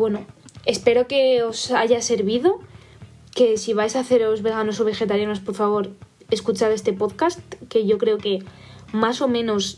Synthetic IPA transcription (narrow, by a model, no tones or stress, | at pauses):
we̞noe̞spe̞ɾo̞ke̞osaʝase̞ɾβiðo̞ | ke̞siβ̞ajsaːθe̞ɾo̞zβe̞ɣanosoβ̞e̞xe̞t̪aɾjano̞spo̞ɾfaβ̞o̞ɾ | e̞skut͡ʃaðe̞st̪e̞po̞ðkast̪ke̞ʝo̞kɾe̞oke̞maso̞mẽ̞nos